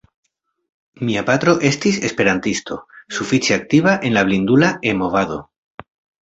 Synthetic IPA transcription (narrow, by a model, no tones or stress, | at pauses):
miapat̪ɾo̞ʔe̞st̪ise̞spe̞ɾant̪ist̪o̞̰sufit͡ʃeak̚t̪iβaʔe̞nlaβlind̪ulae̞mo̞vaðo̞